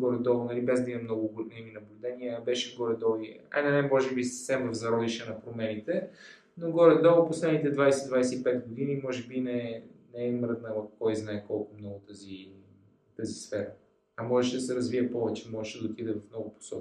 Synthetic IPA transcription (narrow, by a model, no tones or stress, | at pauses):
ɡɔɾɛd̪ɔvʊnɐlibɛzd̪ɐimɐmnɔɡʊɡnɛminɐblʲʊd̪ɛniəbɛʃɛɡoɾɛd̪ɔvia̰nɐnɛmɔʒɛbisə̥fsɛmvɐvzɐɾɔd̪iʃɛnɐpɾomɛnit̪ɛ | noɡɔɾɛd̪ɔvoposlɛd̪nit̪ɛd̪vajsɛd̪vajsɛipɛt̪ɡod̪inimɔʒɛbinɛnɛːmɾəd̪nəvɐfkɔjznaɛkɔlˠkʊmnɔɡʊt̪əzi | t̪əzisfɛɾə | ɐmɔʒɛʃɛd̪ɐsɛɾɐzviɛpɔvɛt͡ʃɛmɔʒɛʃɛd̪ɐot̪id̪ɛvɐfmnɔɡʊpo̥sɔki